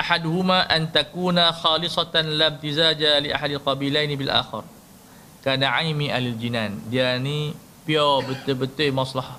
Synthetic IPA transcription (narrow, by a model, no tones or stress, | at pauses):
ʔaħad̪uɦumaʔant̪akuːnaxɑːlɪsˤɑt̪anlab̚t̪izaːd͡ʒaliʔa̰ħad̪alqɑbilajnibɪlʔa̰ːxɪ̰r | kaːnaʕajmiʔalald͡ʒinaːndiani | piabət̪ɪbət̪ɪmɑsˤlɑha